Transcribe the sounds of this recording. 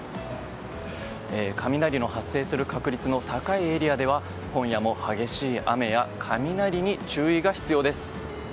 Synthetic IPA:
eːkʰamʲinaɾʲino̞hasːe̞ːsɨɾɯ̟kakɯ̟ɾʲit͡sɨno̞t̪akaie̞ɾʲiad̪e̞βa | kõ̞ɰ̃jamo̞haɡe̞ɕiːa̰me̞jakʰamʲinaɾʲiɲ̟it͡ɕɨːiɡaçi̥t͡sɨjo̞ːd̪e̞sɨ̥

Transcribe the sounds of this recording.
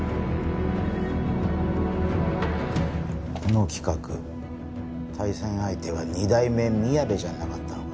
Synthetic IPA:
kʰono̞kʲi̥kakɯ | t̪ʰaisẽ̞ɰ̃ait̪e̞βaɲid̪aime̞mʲiabe̞ʑanakat̪ːa

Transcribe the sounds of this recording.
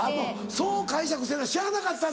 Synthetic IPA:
ano | soːkaiɕakɯ̟seːaɕiɾanakat̪ːã

